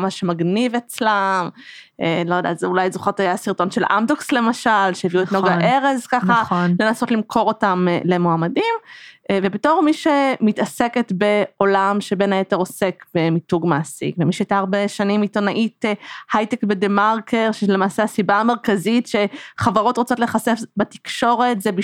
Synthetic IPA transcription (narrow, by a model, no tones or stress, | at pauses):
maʃemaɡnivet͡slamʔelojd̪ḛazeulajzoχotajasiʁto̞nʃe̞lʔa̰mdoksle̞maʃalʃeeviuetnoɡaʔe̞ʁezkaχale̞naso̞tlimkʰo̞ʁo̞tamle̞moamadimvebeto̞ʁmiʃemitaseketbe̞o̞lamʃe̞be̞najeteʁosekbemituɡmaːsḭkvemiʃeajtaːʁbeʃanimito̞naʔithajtekbedemaʁkeʁʃelemaːsehasibaːme̞ʁkazitʃe̞χavaʁo̞tʁot͡so̞tle̞χase̞fbati̥kʃo̞ʁe̞tzebi